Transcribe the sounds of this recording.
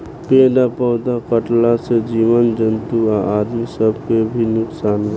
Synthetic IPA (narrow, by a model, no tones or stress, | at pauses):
ped̪apɔʊd̪akəʈlased͡ʒiʋənd͡ʒənt̪uaʔad̪misəbkebʱinʊksaːnɾ